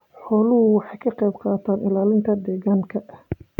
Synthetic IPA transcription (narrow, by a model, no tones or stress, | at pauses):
ħɔːlʊɦʊwɑħɑjkʰɐqɑjbqɑːt̪ʰaːnɪlaːlɪnt̪ʰɐd̪ɛːɣaːŋkʰɐʔh